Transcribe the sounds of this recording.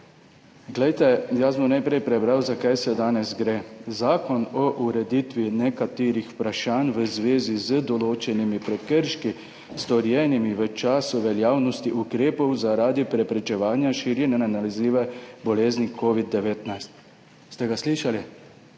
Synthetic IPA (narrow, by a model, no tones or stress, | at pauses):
ɡlɛjt̪ɛjasbɔmnajpɾɛjpɾɛbɾawzakajsɛd̪aːnɛzɡɾeːzaːkɔnɔʔuɾɛd̪it̪ʋinɛkat̪eːɾixpɾaʃaːnʋəzʋeːzizəd̪ɔloːt͡ʃɛnimipɾɛkəɾʃki | st̪ɔɾjɛːnimiʋət͡ʃaːsuʋɛljaːwnɔst̪iʔukɾeːpɔwzaɾaːd̪ipɾɛpɾɛt͡ʃɛʋaːnjaʃiɾjɛnɛnanalizliːʋɛbɔleːznikʰoːʋid̪̚ːɛʋeːt̪najst̪̚ | st̪ɛɡasliːʃali